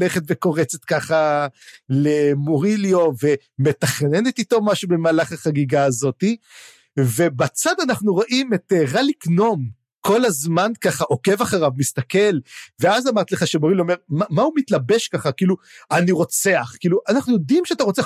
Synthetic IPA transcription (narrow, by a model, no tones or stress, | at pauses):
eχet̪veko̞ʁet͡set̪kaχa | lemoʁiljo̞ve̞ | me̞taχne̞ne̞t̪ito̞maʃube̞maːlaχaχaɡiɡaːzo̞t̪i | ve̞bat͡sad̪anaχnuʁoʔimetʁalikno̞m | ko̞lazmankaχaʔo̞ke̞vaχaʁavmist̪ake̞lve̞azamaʁt̪leχaʃemoʁiljome̞ʁmamaumitlabe̞ʃkaχakiːluaniʁo̞t͡se̞aχkiːluʔanaχnujo̞dimʃeataʁo̞t͡sea